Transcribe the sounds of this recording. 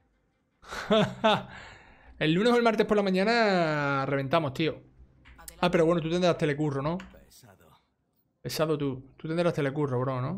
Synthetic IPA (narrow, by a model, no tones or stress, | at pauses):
e̞lːune̞ɦoelmaɾt̪e̞polamãɲãnare̞β̞e̞nt̪amoht̪io | ape̞ɾowe̞not̪ut̪enɾaht̪e̞le̞kurono | pesaðot̪ut̪ut̪end̪ɾat̪e̞le̞kuroβɾonõ